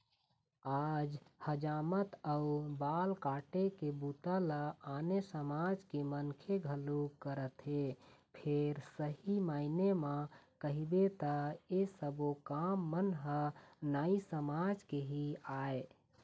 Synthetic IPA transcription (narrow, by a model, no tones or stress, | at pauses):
ad͡ʒhəd͡ʒaːmət̪əubalkaːʈekebut̪aləanesəmad͡ʒkemənkʰeɡʱəlukəɾət̪ɦepʰeɾsəɦimaːinemãkəɦibet̪əesəbokamːənɦənaisəmad͡ʒkeɦiae